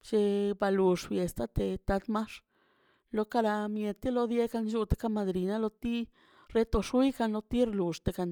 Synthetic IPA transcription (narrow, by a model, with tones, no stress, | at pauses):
t͡ʃe˧ba˧lu˨ʂfje˨st̪a˦t̪e˧t̪a˧˦d̪ma˦ʂ | lo˧˦ka˦˧ɾa˧mje˧t̪i˦lo˧˦d̪je˦ka˧nt͡ʃu˧˦t̪e̥˧ka˦ma˧d̪ɾi˨na˦lo˧t̪i˦ | ɾe˦t̪o˧ʂu˦jka˧nlo˧t̪i˦ɾe˧lu˨ʂt̪e˨ɡa˧n